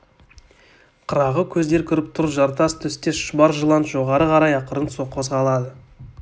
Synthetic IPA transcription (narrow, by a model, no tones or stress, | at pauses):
qʰəɾɑʁəkʲʰɵzd̪e̞ɾkʲʰʏɾɪp̚t̪ʰʊɾəpʒɑɾt̪ɑst̪ʰʏst̪eʃʊbɑɾʒəlˠɑnt̪ʒo̞ʁɑɾəqʰɑɾɑjɑqəɾənso̞qːʰo̞zʁɑlˠɑd̪ə